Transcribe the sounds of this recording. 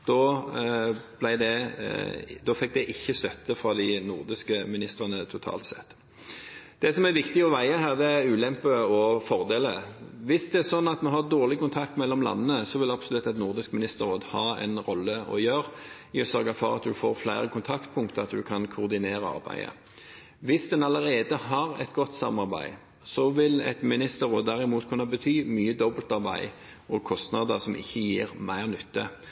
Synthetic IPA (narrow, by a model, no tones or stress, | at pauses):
d̪̥ɔ | b̥læɪd̪ɛ | d̪ɔfɛk̚d̪ɛʔɪçːəst̪œt̪ːəfɾɑd̪ɪnʊʁd̪ɪskəmɪnɪst̪əʁənət̪ʰʊt̪ʰɑ̰ːlt̪sɛ̰t̪ː | d̪̥ɛsɔmæɾʋɪkt̪ɪɔʋæɪəɦæːʁd̪ɛæɾʉːlɛmpəɔfɔʁd̪eːləʋɪsd̪ɛæɾsɔnːɑt̪mɛɦɑd̪oːʁlɪkʊnt̪ʰɑk̚t̪mɛlːɔmlɑ̰nːənəsɔʋɪlɑbsɔlʉt̪ːɑt̪nʊʁd̪ɪskmɪnɪst̪əʁoːd̪hɑːɛ̰nɾɔlːəɔ̰jøːɾ | ɪɔsœɾɡɑfɔɾɑt̪̚d̪ʉfoːɾflæɪɾəkʰʊnt̪ʰɑkt̪̚pʰʊŋkt̪əɑt̪d̪ʉkʰɑnkʰʊʁd̪ɪneːɾəɑ̰ɾbæ̰ɪə̰ | ʋɪsd̪ɛnɑləɾeːd̪əhɑʁɛ̰t̪ɡɔt̪ːsɑ̰mːɑʁbæ̰ɪ | sɔʋɪlɛ̰t̪mɪnɪst̪əɾʁoːd̪æʁɪmuːt̪kʰʉnːɑbət̪ʰyːmyːəd̪ɔbəlt̪ɑɾbæɪ | ɔkʰɔst̪nɑd̪əsɔmɪ̰çːəjiːɾmæɪʁnʏt̪ːə